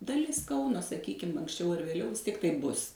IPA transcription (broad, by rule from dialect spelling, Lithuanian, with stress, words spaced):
dɐˈlʲɪs ˈkɐʊnoː sɐˈkʲiːkʲɪm ɐŋksʲˈt͡ʃʲɛʊ ɐr ʋʲeːˈlʲɛʊ ʋʲɪs ˈtʲiɛk tɐɪp ˈbʊs